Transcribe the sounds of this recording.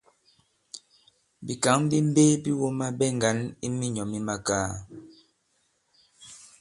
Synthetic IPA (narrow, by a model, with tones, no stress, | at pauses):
bi˨ka˨˦ŋ˦bi˦m̩˦beː˦pi˦wo˦ma˦bɛ˦ŋ˨ɡa˨˦ni˦mi˦ɲɔ˨mi˦ma˦kaː˦